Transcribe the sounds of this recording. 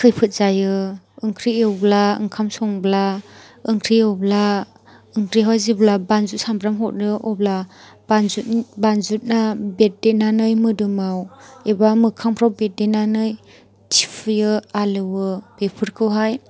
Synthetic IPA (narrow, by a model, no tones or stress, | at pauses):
kʰɯjpʰɯt̚z̥ajɯ | ɯŋkʰɾiewblaɯ̰ŋkʰamsɔŋblaɯŋkʰɾiɯwbla | ɯŋkʰɾiɦaziblabanzut̚sambɾamɦɔt̚ɾɯʔɔbla | b̥anzutbanzut̚nabet̚denanɯjmɯdɯmawebamɯkʰaŋpʰɾawbet̚denanɯj | tʰi̥pʰɯjɯalɯwɯb̥epʰɯɾkʰɯwɦaj